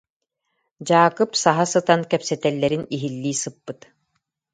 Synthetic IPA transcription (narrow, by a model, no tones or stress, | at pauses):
d͡ʑaːkɯpsaɦasɯt̪ankɛpsɛt̪ɛlːɛɾiniɦilːiːsɯpːɯt̪